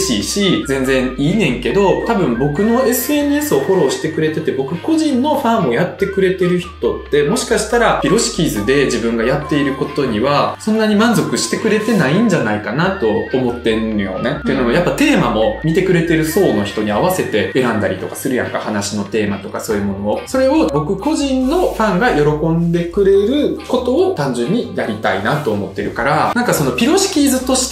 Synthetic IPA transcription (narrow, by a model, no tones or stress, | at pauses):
ɕiːɕizẽ̞nd͡zẽ̞ɰ̃iːnẽ̞ŋke̞d̪o̞t̪abɯ̟̃mbo̞kɯ̟no̞e̞sɨe̞nɯ̟e̞sɨo̞ho̞ɾo̞ːɕi̥t̪e̞kɯ̟ɾe̞t̪e̞t̪e̞bo̞kɯ̟ko̞ʑĩnːo̞ɸãɰmːo̞jat̪ːe̞kɯ̟ɾe̞t̪e̞ɾɯ̟çi̥t̪o̞t̪ːe̞mo̞ɕi̥kaɕi̥t̪aɾapʲiɾo̞ɕi̥kʲiːzɨd̪e̞d͡ʑibɯ̟̃ŋɡajat̪ːe̞iɾɯ̟ko̞t̪o̞ɲ̟iβasõ̞nːaɲ̟imãnzo̞kɯ̟ɕi̥t̪e̞kɯ̟ɾe̞t̪e̞naĩɲ̟d͡ʑanaikanat̪o̞ːmo̞t̪ːe̞nojo̞̰net̪ːeɯ̟noojapːat̪e̞ːmamo̞mʲit̪e̞kɯ̟ɾe̞t̪e̞ɾɯ̟so̞ːno̞çi̥t̪o̞ɲ̟iaβase̞t̪e̞e̞ɾãnd̪aɾʲit̪o̞kasɨɾɯ̟jã̰ŋkahanaɕino̞t̪e̞ːmat̪o̞kaso̞ːjɯ̟mo̞nooso̞ɾe̞o̞bo̞kɯ̟ko̞ʑĩnːo̞ɸãŋɡajo̞ɾo̞kõ̞nd̪e̞kɯ̟ɾe̞ɾɯ̟ko̞t̪o̞ːt̪ãɲ̟d͡ʑɨ̃ɲ̟ːijaɾʲit̪ainat̪o̞ːmo̞t̪ːe̞ɾɯ̟kaɾanãŋkaso̞no̞pʲiɾo̞ɕi̥kʲiːzɨt̪o̞ɕi̥t̪